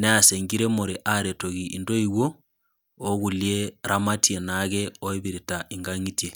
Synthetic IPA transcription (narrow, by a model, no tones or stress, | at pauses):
neaseŋɡiɾemoɾeʔaɾetoɣiʔindoiɣwoː | ɣulijeɾamatjenaɣeoeβiɾitaʔiŋɡaŋitje